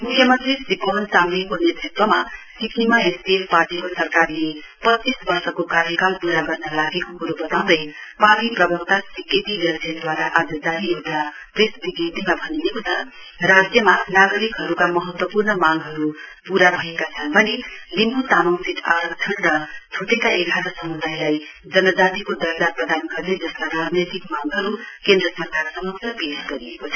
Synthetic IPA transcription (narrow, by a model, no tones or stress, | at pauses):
mukʰjʌmʌnt̪ɾisipʌɦʌnsamnikonet̪rit̪wʌmasikʰnimaesbiefpaʈikosʌrkarle | pʌt͡sːisbʌrsʌkokaɾjʌkalpuɾaɡʌrnʌlaɡekokuɾubʌt̪aw̃d̪ʌjpamiprʌbʱʌk̚t̪asiket̪iɾʌd͡zʱjʌd̪waɾaʔad͡zʌd͡z̪anijewd̪a | presb̪iɡjit̪imabʱʌniekot͡sʰʌ | rad͡zjʌmanaɡʌɾikɦʌɾukamʌɦʌt̪wʌpurnʌmaŋɡɦʌɾupuɾabʱʌekat͡sʰʌnbʌnilimut̪amʌwsʰit̪ʰa̰ɾʌkt͡sʰʌnrʌt̪ʰoʈekaeɡʱaɾʌsʌmud̪ʱajlajd͡zʌnʌd͡zat̪ikod̪ʌɾd̪aprʌd̪anɡʌrd̪ed͡zʌskaɾad͡znʌjt̪ikmaŋɡɦʌɾukend̪rʌsmakarsʌmʌksʌbiɦʌsɡʌɾiekot͡sʰʌ